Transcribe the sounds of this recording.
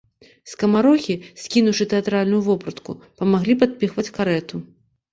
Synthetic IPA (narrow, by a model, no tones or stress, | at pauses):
skɐmaɾɔxʲisʲkʲinuwʂɨt̪ɛat̪ɾalʲnujuvɔpɾɐt̪kṵpɐmaɣlʲipat̪̚pʲixvɐt͡sʲkaɾɛt̪u